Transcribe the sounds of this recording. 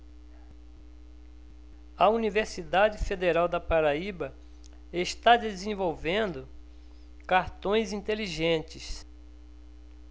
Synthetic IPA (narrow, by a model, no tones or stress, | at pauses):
ɐuniveɾsid̪ad͡ʒɪfed̪eɾawd̪ɐpaɾaibɐ | est̪ad̪ezẽvowvẽnd̪ʊ | kaɾt̪õj̃zĩnt̪eliʒẽnt͡ʃɪs